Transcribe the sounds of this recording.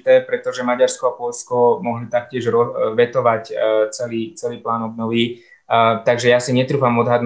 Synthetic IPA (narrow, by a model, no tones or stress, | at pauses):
t̪ɛːpɾɛt̪ɔʒɛmaɟaɾskɔapɔʎskɔmɔɦlit̪ak̚cɪɛʒɾɔʋɛt̪ɔʋact͡sɛliːt͡sɛliːplaːnɔb̚nɔʋi | t̪aɡʒɛjasiɲɛt̪ɾuːfamɔd̪ɦad̪n